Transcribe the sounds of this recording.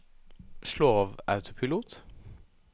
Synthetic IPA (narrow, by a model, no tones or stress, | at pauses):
ʃɭoːʋɑ̰ʉt̪ʰʊpʰɪluːt̪